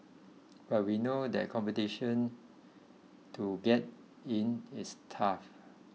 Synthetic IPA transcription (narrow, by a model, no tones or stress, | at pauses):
b̥at̚winodɛ̰t̚kʰɔ̃mpɛtiʃə̃n | tʰuɡɛt̚ | ĩnistʰaf